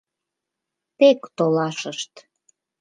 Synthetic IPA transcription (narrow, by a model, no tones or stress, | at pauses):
tekt̪olɑʃəʃt̪